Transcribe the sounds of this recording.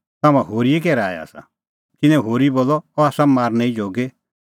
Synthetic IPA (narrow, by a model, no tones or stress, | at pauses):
t̪aːmãɦoːɾiekɛːɾa̰ːj̰a̰ːsa̰ | k̪ɪ̃nɛ̃ɦoːɾiboːlːɔɔaːsãmaːɾnɛ̃ĩd͡ʒoːɡe